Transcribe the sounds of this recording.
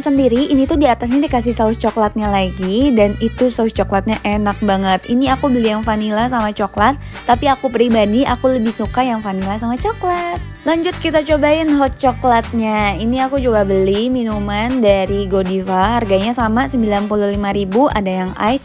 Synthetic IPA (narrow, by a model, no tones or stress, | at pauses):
səndiɾiʔːnit̪udiat̪as̬ɲadikas̬ihsaʊst͡ʃɔklat̪̚ɲalaɡidanit̪usaʊst͡ʃɔklat̪̚ɲaʔenak̚baŋət̪̚iniakubəlijaŋfanilasamat͡ʃɔklat̪ːapiakupəɾibadiʔakuləbɪhsukajaŋfanilasamat͡ʃɔklat̪̚ | laɲd͡ʒʊt̪̚kit̪at͡ʃobaɪnɦɔt̪̚t͡ʃɔklat̪̚ɲainiakud͡ʒuɡabəlihminumandaɾiɡodifaɦarɡaɲasamasəmbilanpuluhlimaɾibuʔa̰dajaŋa̰js